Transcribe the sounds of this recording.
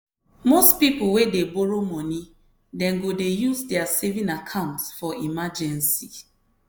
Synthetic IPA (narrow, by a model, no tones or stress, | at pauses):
mospipʊwedeboɹomɔ̃ni | dɛ̃nɡodejuzdɛasevĩnakʰãʊ̃ntsfɔimad͡ʒɛ̃nsi